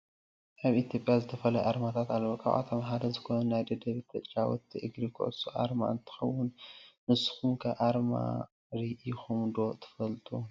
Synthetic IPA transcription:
ʔaβit̪ʰijo̞pʼjazɨt̪ʰɐfɐlajʔaɾmat̪ʰat̪alːɐβokʼʰa̰βʔa̰t̪ʰɐmħad̪ɐzɨkonɐnnːajd̪ɐd̪ɐβit̪ʰɐt͡sʼt͡ʃʼawɔ̰t̪ʰːiʔɨɡɾikʰɨ̰ʔɨsuʔa̰ɾma̰ʔɨnt̪ʰɨ̥xɐwːʊnmɨsɨ̥xumkʰɐʔaɾma̰ | ɾiʔixumd̪o̞t̪ʰɨ̥fɐlt̪ʰʼu

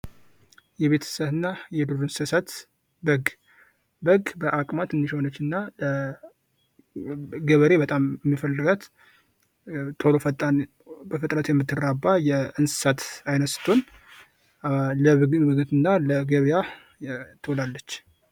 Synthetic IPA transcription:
jɛβe̞t̪ʰə̥səβɨnːajɛd̪uɾɨnsɨsat̪ | bəɡ | bəɡbəʔakʼmat̪ɨnːiʃho̞nət͡ʃːɨnːalə | ɡəβəɾe̞bət̪ʼamjɛmːifəlːɨɡat̪ | t̪ʰo̞ɾofət̪ʼːan | bəfət̪ʼɾət̪jɛmːɨt̪ʰːɨrabːajɛʔɨnsɨ̥sat̪ajnəsɨ̥t̪ʰon | ləɨɡbɨɡɨt̪ɨnːaləɡəβija | t̪ʰolalːət͡ʃː

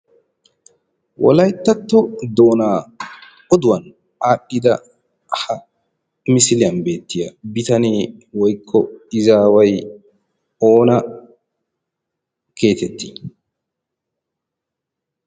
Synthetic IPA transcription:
wʔɔ̰lɐjt̪ːɐt̪ːɔd̪oːnaː | ɔd̪ʊwɐn | aːɗːɪd̪ɐ | hɐ | mɪsɪlɪjɐnbe̞ːt̪ːɪjɐ̰bɪt̪ɐneːwɔjkʰːɔɪzaːwɐj | o̞ːnɐ | ke̞ːt̪ɛt̪ʰːɪ̥

